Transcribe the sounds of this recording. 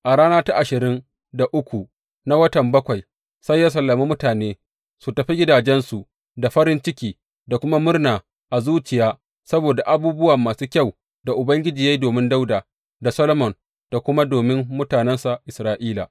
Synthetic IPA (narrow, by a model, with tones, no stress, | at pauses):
ʔa˨ɽaː˦naː˦ta˦ʔa˨ʃɪ˨ɾɪ˦n | da˨ʔʊ˦kʷu˨ | na˦wɐ˦tɐ˨mbɐ˦kʷa˨j | sɐ˦jːa˦s̬ɐ˨lːɐ˨miː˦mʊ˦taː˨neː˦ | su˨tɐ˨ɸi˦ɡʲɪ˦daː˨d͡ʒɛ˦nsu˨ | da˨ɸɐ˦ɾɪ˦nt͡ʃɪ˦kʲiː˨ | da˨kʷʊ˦ma˦mʊ˦rnaː˨ | ʔa˨zuː˦t͡ʃɪ˨jaː˦ | sɐ˦boː˨da˨ʔa˨buː˦bʊ˦wa˨mːaː˨suː˦kʲa˦˨w | da˨ʔʊ˨bɐ˦ŋɡʲɪ˦d͡ʒiː˨ja˦jdoː˨mɪ˦nda˦wdaː˨ | da˨sɐ˦lo˦mɔ˨n | d̥a˨kʷʊ˦ma˦doː˨mɪ˦mːʊ˦taː˨nɛ˦nsa˨ʔɪ˨sɾaː˦ʔiː˦la̰˨